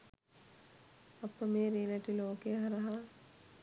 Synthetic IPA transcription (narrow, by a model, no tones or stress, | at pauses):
ɐpːəmeːɾeːlɐʈiloːkeɦɐɾɐɦa